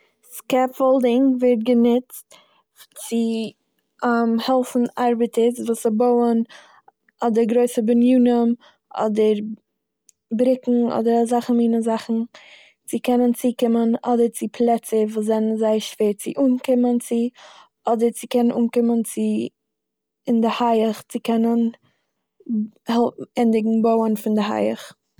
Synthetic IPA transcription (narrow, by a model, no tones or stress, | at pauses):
skɛffolˠdɪŋvɪɾt̚ɡənʊt͡st | t͡sɪ | amhɛlˠfn̩ʔaɾbətʰəsvuːsɪboʊən | ɔdəɾɡɾoɪsəbənjuːnəm | ʔɔ̰dəɾ | bɾɪkŋ̩ɔ̰dəɾzaχn̩miːnəzaχn̩ | t͡sɪkɛnənt͡siːkɪmənɔdəɾt͡sɪpʰlˠɛt͡səvuːs̬zɛnənzaɪəʃv̥eːɾt͡sɪʔuːnkɪmənt͡sɪ | ɔdəɾt͡sɪkɛnənʔuːnkɪmənt͡sɪ | ɪndɪhaɪəχt͡sɪkʰɛnən | hɛlˠf̩ɛndɪɡŋ̩boʊənfɪndɪɦa̰ɪə̰χ